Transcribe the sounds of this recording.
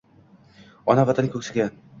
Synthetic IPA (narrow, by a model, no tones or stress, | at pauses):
ɒnavat̪ʰanɪkʰʲɵkʲsaɡʲan